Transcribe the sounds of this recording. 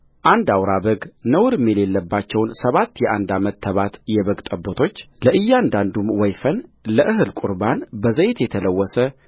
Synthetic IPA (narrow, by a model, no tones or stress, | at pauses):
ʔand̪awɾabəɡnəwɾɨmɛlelːəbːat͡ʃːɛwnsəβat̪ːjɛʔand̪amət̪ʰːəβat̪jɛβəɡt̪ʼəbːot̪ʰo̞t͡ʃː | ləʔɨjːand̪and̪umwɔjfənləʔɨɦɨlkʼuɾbanbəzəjt̪jɛt̪ʰələwːɔsə